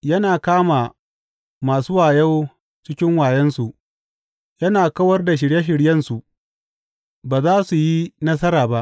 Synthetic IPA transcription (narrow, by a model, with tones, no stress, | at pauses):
jɐ˦naː˨kaː˦maː˨ | maː˨su˦waː˨jɐ˦w | t͡ʃɪ˦kʲɪ˦ŋwaː˨jɛ˦nsu˨ʔ | jɐ˦naː˨kɐ˦wɐ˦rda˨ʃ̬ɪ˨ɽje˦ʃ̬ɪ˨ɽjɐ˦nsu˨ʔ | baː˨zaː˦su˨ji˦nɐ˦sɐ˦ɾaː˨ba˦ʔ